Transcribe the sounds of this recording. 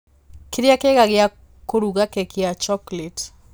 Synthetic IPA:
kiɾiakeɣaɣia | koɾuɣakekiat͡ʃɔklet

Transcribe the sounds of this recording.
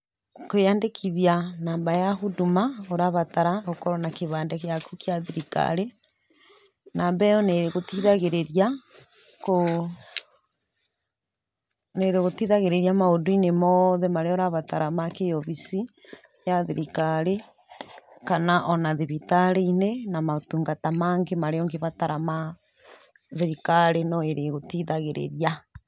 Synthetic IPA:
kojandekʰiðianaːmbajahudumaoɾaβataɾaɣokɔɾɔnakeβaːndɛkejakukjaðiɾika̰ɾe | naːmbɛɔneɾeɣotiðaɣeɾeɾia | ko | neɾeɣotiðaɣeɾeɾiamaodoinemɔðemaɾeɔɾaβataɾamakejɔβisi | jaðeɾikaɾe | kanaʔɔnaðiβitaɾeinenamaotuŋɡatamaːŋɡemaɾeɔŋɡeβataɾama | ðeɾikaɾenɔeɾeɣotiðaɣeɾḛɾja

